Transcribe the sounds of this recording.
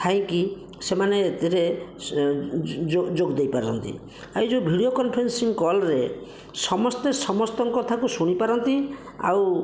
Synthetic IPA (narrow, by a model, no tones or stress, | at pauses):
t̪ʰaj̃ki | semaneːt̪iɾe | od͡ʒoɡd̪ejpaɾɔ̰nt̪ḭ | ajd͡ʒubʱiɽiokɔnpʰɔɾensiŋkɔlɾe | sɔmɔst̪esɔmɔst̪ɔŋkɔt̪ʰakusuɽ̃ipaɾɔnt̪i | a̰w